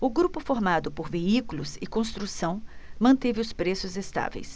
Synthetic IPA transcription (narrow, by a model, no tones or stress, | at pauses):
ʊɡɾupʊfoɾmad̪ʊpoɾveikulʊzɪkõst̪ɾusɐ̃w̃mɐ̃nt̪evɪʊspɾesʊzest̪a̰vḛjs